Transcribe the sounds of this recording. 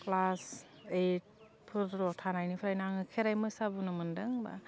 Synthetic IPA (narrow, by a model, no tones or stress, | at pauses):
klas | et̚ | pʰɯtɾɔtʰanajnipʰɾajnaŋɯkʰeɾajmɯsabunɯmɯndɯŋba̰